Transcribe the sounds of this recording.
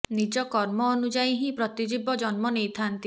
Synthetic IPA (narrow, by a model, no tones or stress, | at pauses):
nid͡ʒɔkɔɾmɔːnud͡ʒaiɦĩpɾɔt̪id͡ʒibɔd͡ʒɔnmɔnejt̪ʰant̪i